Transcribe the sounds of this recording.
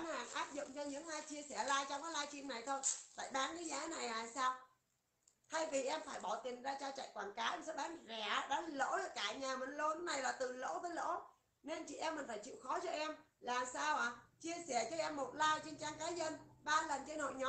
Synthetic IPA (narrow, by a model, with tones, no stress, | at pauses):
nha̰ː˨˩ŋʔaː˦˥p̚zʊ̰˧˨ŋ͡mt͡ɕɔ˧ɲɨ̰˧˥ŋʔaː˧jt͡ɕi˧əsɛ˧˩laː˧jt͡ɕɔ˧wŋ͡mkaː˨˦jlaː˧jt͡ɕḭ˧mna˨˩jt̪ʰo˧jt̪a̰ː˧˩jɓaː˨˦nkə˨˦jzaː˨˦na˨˩jʔaː˨˩jsaː˧w | t̪ʰa˧jvi˨˩ʔɛ˧mfaː˧˩jɓɔ˧˩t̪ï˨˩ŋ̟zaː˧t͡ɕaː˧t͡ɕa̰˧˨jkwaː˨˩nkaː˨˦jʔɛ˧msɛ̰˧˥ɓaː˨˦ŋzɛ˧˩ɗa˨˦ŋlo̰˧˥la˨˩kaː˧˩ɲaː˨˩mə˨˩ŋlo˧nɨ˦˥na˨˩jlaː˨˩t̪ɨ˨˩lo̰˧˥vəː˨˦jlo̰˧˥ | ne˧nt͡ɕḭ˧˨ʔɛ˧mːï̟˨˩faː˧˩jt͡ɕḭ˧˨wxɔ˨˦t͡ɕɔ˧ʔɛ˧m | laː˨˩msaː˧wʔaː˨˩t͡ɕi˧əsɛ˧˩t͡ɕɔ˧ʔɛ˧mːo˨˩t̚laː˧jt͡ɕe˧nt͡ɕaː˧ŋkaː˨˦jzə˧nɓaː˧lə˨˩nt͡ɕe˧nho̰˧˨jɲɔ˨˦